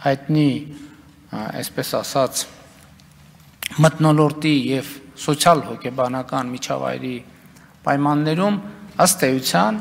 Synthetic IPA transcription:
hɑjt̪ni | ɛ̰spɛsɑ̰sɑt͡sʰ | mət̪nɔlɔɾt̪ijɛvsɔt͡sʰjɑlhɔkʰɛbɑnɑkɑnmit͡ʃʰɑ̰vɑ̰jɾi | pɑ̰jmɑnːɛɾuməst̪ɛjut͡sʰjɑn

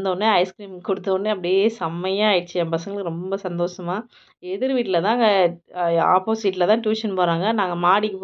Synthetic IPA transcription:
nd̪ɐnːɯɐɪskɾiːmkʊɽɯt̪ːɐʋɐnɖɯɐpːɐɽɪjeːsɐmːɐjãːjt͡ʃːɯɐmpɐsɐŋɡɐɭɯkːɯɾɔmbɐsɐnd̪oːʂɐmaː | ɛðɪɾʋiːʈːɪlɐt̪ãːŋɡɐ | a̰ːpoːsiːʈːlɐt̪ãːʈjuːʂɐnpoːɾaːŋɡɐnaːŋɡɐmaːɽikːɯp

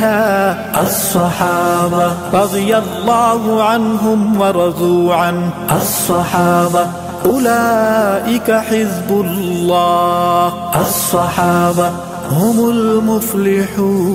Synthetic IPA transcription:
haː | ʔɑsˤːɑħɑːbɑɾˤɑd̪ˤɨjalˤːɑːhʊʕanɦʊmwɑɾˤɑzuːʕanʔɑsˤːɑħɑːba | ʔʊlaːʔɪkaħɪzbʊllːɑː | ʔɑsˤːɑħɑːbɑ | hʊmʊlmʊflɪħuː

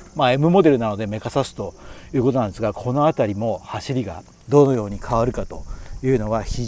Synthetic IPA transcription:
mae̞mɯ̟mo̞d̪e̞ɾɯ̟nano̞d̪e̞me̞kasasɨ̥t̪o̞jɯ̟ːkot̪o̞nãnd̪esɨɡakʰo̞no̞at̪aɾʲimo̞haɕiɾʲiɡa̰ | d̪o̞no̞jo̞ːɲ̟ikʰaβaɾɯ̟kat̪o̞jɯ̟ːno̞βaçi

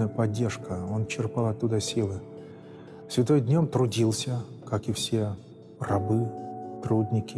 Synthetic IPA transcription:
əjəpɐdʲːe̞rʂkəont͡ɕːɪrpalˠɐt̪ːud̪əsʲilˠɨ | sʲvʲɪt̪ojd̪ʲnʲo̞mt̪ɾʊdʲilˠsʲə | kakɨfsʲe̞ | rɐbɨt̪ɾud̪ʲnʲɪkʲɪ

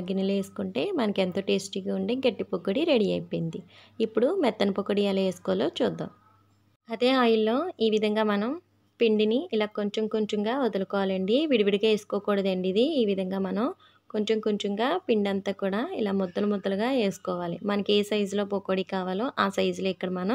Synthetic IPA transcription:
ɐɡinɐle̞ːsu̥kuɳʈe̞ːmɐnɐkent̪o̞ːʈeːsʈikːuɳɖeːɡeʈːipokːoɽiɾeɽiɐ̰jpojind̪i | ipːuɽumɛt̪ːɐnɐpokːoɽialɐeːsu̥kɔːloːt͡ʃuːd̪ːa̰ːm | ɐd̪e̞ːaːjulːo̞ːiːʋid̪ʱɐŋɡaːmɐnɐm | piɳɖiniilaːkoɲt͡ʃomkuɲt͡ʃumɡaːod̪ɐlukɔːʋaːlɐɳɖiʋiɽiʋiɽiɡaːesu̥kɔːkuːɽɐd̪ɐɳɖid̪iiːʋid̪ʱɐŋɡaːmɐnɐm | koɲt͡ʃomkuɲt͡ʃumɡaːpiɳɖɐnt̪aːkuːɽaːilaːmɔd̪ːɐlumɔd̪ːɐluɡaːe̞ːsu̥kɔːʋaːlimɐnɐkeːsɐjzlo̞ːpokːoːɽikaːʋaːloːʔaːsɐjzloːikːɐɽɐmɐnɐm

